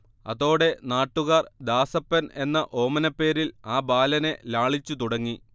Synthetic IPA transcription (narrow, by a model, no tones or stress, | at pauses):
ɐ̰ðo̞ːɽe̞naːʈːuɣaːrd̪aːsɐpːɐne̞nːɐʔo̞ːmɐnɐpːe̞ːɾilaːbaːlɐne̞laːɭit͡ɕːut̪uɽɐŋːi